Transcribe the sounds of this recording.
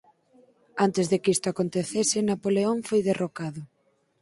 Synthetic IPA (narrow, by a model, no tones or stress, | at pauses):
ant̪ɪzðekist̪ʊakont̪eθesɪnapoleoɱfojðerokaðʊ